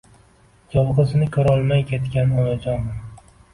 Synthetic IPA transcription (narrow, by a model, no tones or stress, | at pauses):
d͡ʒɒlˠʁɨzɪnɪkʲʰɵɾɒlˠmajkʲʰe̞t̪kʲanɒnad͡ʒɒn